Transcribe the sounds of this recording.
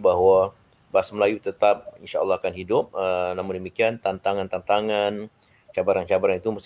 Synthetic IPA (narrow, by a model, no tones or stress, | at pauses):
baɦwa | basməlajut̪ət̪ap̚inʃa̰ɔ̰lːɑhakanhidʊp̚ənamʊndəmikiant̪ant̪aŋant̪ant̪aŋan | t͡ʃabaɾant͡ʃabaɾanit̪uməs